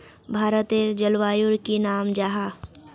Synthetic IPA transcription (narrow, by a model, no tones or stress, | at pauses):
bʱaːɾət̪eːɾd͡ʒəlʋaːjuɾkinaːmd͡ʒaɦaː